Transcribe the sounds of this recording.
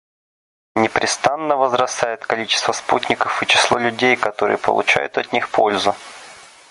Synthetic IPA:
nʲɪpɾʲʔɪst̪anːəvəzɾɐst̪ajɪt̪kɐlʲit͡ɕɪ̥st̪vəsputʲnʲɪkəfɨt͡ɕɪ̥slˠolʲʉdʲejkɐt̪o̞ɾɨ̰jəpə̰lˠʊ̰t͡ɕæ̰jʊ̰t̪ɐt̪ʲnʲixpʰo̞lʲzʊ

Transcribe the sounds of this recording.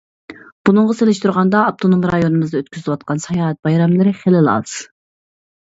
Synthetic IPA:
b̥unɨŋʁɑselɪʃt̪ʰuɾʁɑnd̪ɑːp̚t̪ʰonomɾɑjonɨmɨzd̪ɑøt̪kʲyzɪlɪwɑt̪̚qɑnsɑjɑːɛt̪̚bɑjɾɑmlˠɨɾɪχelɪlˠɑ̰z̥

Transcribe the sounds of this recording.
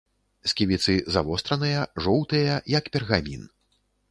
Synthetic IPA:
sʲkʲivʲit̪sɨzavɔst̪ɾɐnɨjɐʐɔwt̪ɨjɐjɐkpʲɛrɣamʲin

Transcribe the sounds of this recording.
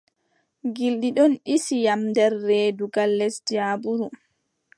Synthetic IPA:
ɡilɗiɗɔnɗisijamdɛɾːɛːduɡalːɛsdiaːbuɾu

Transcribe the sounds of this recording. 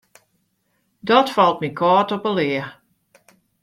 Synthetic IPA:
dɔtfɔlˠt̚mikʰɔːtɔpəlɪə

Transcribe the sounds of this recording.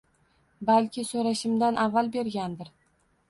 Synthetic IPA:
balkʲɪsoɾaʃɪmd̪anʔavːalbe̞ɾɡʲand̪ɪɾ

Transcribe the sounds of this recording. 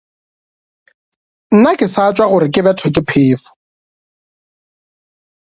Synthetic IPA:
n̩nakʼɪsat͡ʃʼwaɣʊɾɪkʼɪbɛtʰɔkʼɪpʰɪːfʊ̥

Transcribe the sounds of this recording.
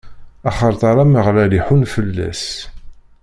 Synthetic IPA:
ɑχəɾˤt̪ˤɑɾˤɑməʁlæliħunfəlːæ̰s

